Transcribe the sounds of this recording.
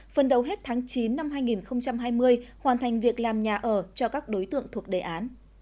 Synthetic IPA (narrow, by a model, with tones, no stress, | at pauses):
fə˨˩nɗə˨˩wɦe˦˥t̚t̪ʰaː˨˦ŋt͡ɕi˨˦nːa˧mɦaː˧jŋi˨˩nxə˧wŋ͡mt͡ɕa˧mɦaː˧jmɨ˧əjhwaː˨˩nt̪ʰa˨˩jŋ̟vi˨˩ək̚laː˨˩mɲaː˨˩ʔəː˧˩t͡ɕɔ˧kaː˦˥k̚ɗo˨˦jt̪ɨ̰˧˨əŋt̪ʰu˨˩ək̚ɗe˨˩ʔaː˨˦n